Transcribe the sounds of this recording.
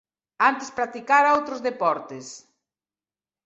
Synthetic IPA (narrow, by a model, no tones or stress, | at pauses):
ant̪ɪspɾat̪ikaɾaowt̪ɾʊzðepɔɾt̪es